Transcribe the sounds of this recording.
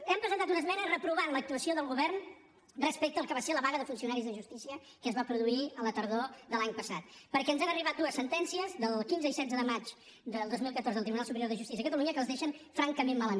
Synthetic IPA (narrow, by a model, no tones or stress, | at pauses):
ɛmpɾəzənt̪at̪̬unəzmɛnərəpɾuβanlək̚t̪uəsioðəlˠɣuβɛrn | rəspɛk̚t̪əːlˠkəβaseləβaɣəðəfunsiunaɾizðəʒust̪isiə | kəzβapɾuðuiələt̪əɾðoðəlaɲpəsat̪̚pəɾkɛənzanəriβat̪̚d̪uəsːənt̪ɛnsiəzðəlˠkinzəisɛdd͡zəðəmat͡ʃ | d̪əlˠd̪ozmilˠkət̪oɾzðəlˠt̪ɾiβunalˠsupəɾjoɾðəʒust̪is̬iəkət̪əluɲəkəlˠzðɛʃənfɾaŋkəmemmːaləm